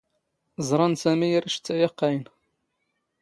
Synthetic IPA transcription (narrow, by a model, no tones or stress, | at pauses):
zˤɾˤɑnsæmijəɾiʃt͡sːæjɑqːæjn